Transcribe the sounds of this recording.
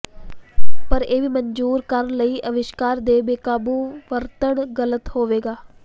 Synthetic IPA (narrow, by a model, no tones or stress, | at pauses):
pəɾeːʋiːməɲd͡ʒuːɾkəɾəɳləiːʔəʋɪʃkaːɾd̪eːbeːkaːbuːʋəɾt̪əɳɡələt̪hoːʋeːɡaː